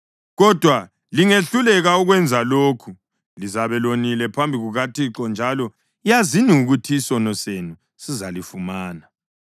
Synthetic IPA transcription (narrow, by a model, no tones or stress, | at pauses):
ɣɔd̥ʱwa | liŋeɬulɛɣauɣwɛnd͡zʱaloːkʰu | lizaβɛlonilɛpʰambʱiɣuɣatʰiǁɔnd͡ʒʱalɔ | ijaziniuɣutʰisɔnɔsenu | sizalifumaːna